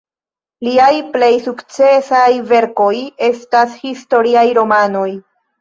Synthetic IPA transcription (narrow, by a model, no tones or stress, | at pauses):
liajple̞jsukt͡se̞sajve̞ɾko̞je̞stashisto̞ɾiajɾo̞mano̞j